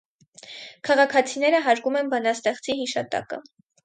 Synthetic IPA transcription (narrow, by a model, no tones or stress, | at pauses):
kʰɑʁɑkʰɑt͡sʰinɛɾəɦɑɾkumɛnbɑnɑst̪ɛχt͡siɦiʃɑt̪ɑ̰kə̰